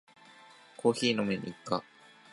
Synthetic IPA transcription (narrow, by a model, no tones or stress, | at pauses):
kʰo̞ːçiːno̞meɲḭikːa